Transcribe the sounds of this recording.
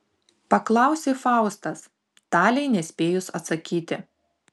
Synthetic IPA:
pɐklˠɑˑʊsʲeːfɑˑʊst̪ɐs | t̪ɑːlʲɛɪnʲɛsʲpʲeːjʊsɐt̪sɐkʲiːt̪ʲɪ

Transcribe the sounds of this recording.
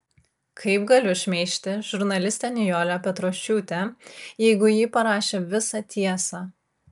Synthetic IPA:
kʰɐɪpɡɐlʲʊʃʲmʲɛɪʃʲt̪ʲɪʒʊɾnɐlʲɪsʲt̪ʲɛnʲɪjoːlʲopʲɛt̪ɾoːʃʲt͡ʃʲuːt̪ʲɛjɛɪɡʊjiːpɐɾɑːʃʲeːʋʲɪsɑt̪ʲiɛsɑː

